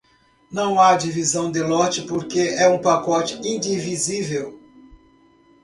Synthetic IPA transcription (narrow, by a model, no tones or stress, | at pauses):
nɐ̃w̃ad͡ʒivizɐ̃w̃d̪elɔt͡ʃɪpoɾkeʔɛũpakɔt͡ʃɪ̥ĩd͡ʒivizivew